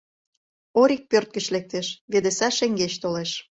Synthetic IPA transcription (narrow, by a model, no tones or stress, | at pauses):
oɾik̚pørt̪̚kə̆ʃlek̚t̪eʃβed̪esɑʃeŋɡeʃt̪oleʃ